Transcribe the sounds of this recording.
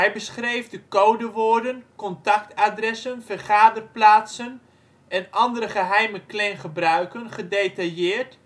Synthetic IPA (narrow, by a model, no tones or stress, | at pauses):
ɦɛjbəsχrejvdəkowdəʋoːɹdənkɔntɑktadrɛsənfərχaːdərplaːtsən | ɛnʔɑndəɾəχəɦɛjməklɛjnχəbrœɥkənχədejtajɪːrt